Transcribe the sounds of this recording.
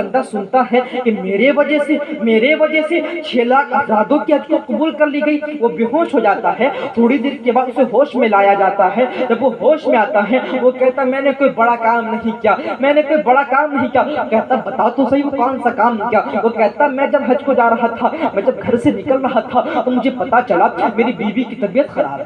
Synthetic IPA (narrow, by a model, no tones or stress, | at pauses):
ɐ̃nd̪asʊnt̪aɦɛkimeːɾeʋɐd͡ʒɛɦsemeːɾeʋɐd͡ʒɛset͡ʃʰeːlaːkzaːd̪õkiɦɐd͡ʒkokʊbuːlkɐɾliɡɐiʋobɪɦoːʃɦod͡ʒaːt̪aɦɛt̪ʰoːɽid̪iːɾkebaːd̪seɦoːʃmẽlaːjad͡ʒaːt̪aɦɛd͡ʒɐbʋoɦoːʃmẽaːt̪aɦɛʋokɛɦt̪aɦɛmɛ̃ːnekoːibɐɽakaːmnɐɦĩkijaːmɛ̃ːnekoːibɐɽakaːmnɐɦĩkijaokɛɦt̪aɦbɐt̪at̪osɐɦiʋokɔːnsakaːmkjaʋokɛɦt̪aɦɛmɛ̃d͡ʒɐbɦɐd͡ʒkod͡ʒaːɾɐɦat̪ʰamɛ̃ːd͡ʒɐb̚ɡʱɐɾsenɪkəlɾɐɦat̪ʰat̪omʊd͡ʒʱepɐt̪at͡ʃɐlameːɾibiːbikit̪ɐbijət̪xɐɾa̰ːb